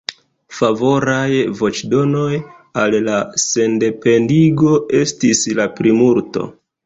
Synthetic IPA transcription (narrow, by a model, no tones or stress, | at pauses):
favo̞ɾajvo̞t͡ʃdo̞no̞j | allase̞nde̞pe̞ndiɡo̞e̞stislapɾimuɾto̰